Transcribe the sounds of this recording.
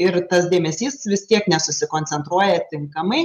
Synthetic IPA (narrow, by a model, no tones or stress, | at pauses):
ɪɾt̪ɐsd̪ʲeːmʲɛsʲiːsʋʲɪst̪ʲiɛknʲɛsʊsʲɪkoːnʲsʲɛnt̪ɾuɔjɛt̪ʲɪŋkɐmɐɪ